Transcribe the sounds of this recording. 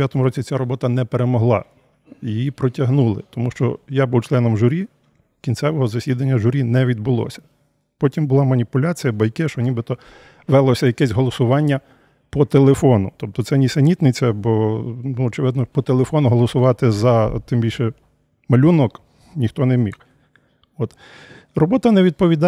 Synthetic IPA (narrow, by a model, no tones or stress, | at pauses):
jat̪ɔmʊɾɔt͡sʲit͡sʲaɾɔbɔt̪ɐnɛpeɾemɔɦlˠɑ̰ | jijipɾɔtʲɐɦnulˠɪ̰t̪ɔmuʃt͡ʃɔ̰jabuwt͡ʃlˠɛn̪ɔmʒʊɾʲi | kʲinsɛʋɔɦɔzɐsʲid̪ɐnʲːɐʒʊɾʲinɛʋʲid̪̚bʊlˠɔ̰sʲɐ̥ | pɔtʲimbʊlˠɑmɐnʲipʊlʲat͡sʲijɐbɔjɐkɛʃt͡ʃɔnʲibɪt̪ɔ | ʋɛlˠɔsʲɐjɐkɛsʲɦɔlˠɔsʊʋɑnʲːɐ | pɔt̪elˠefɔnʊ̰t̪ɔp̚t̪ɔsɛnʲisɐnʲit̪nɪt͡sʲɐbɔnuɔt͡ʃɪʋɪd̪nɔpɔt̪elˠefɔnʊɦɔlˠɔsʊʋɑt̪ɪzɐt̪ɪmbʲilʲʃɛ | mɐlʲunɔk | nʲixt̪ɔnɛmʲḭx | ɔt̪ | rɔbɔt̪ɐnɛʋʲid̪̚pɔʋʲid̪ɑ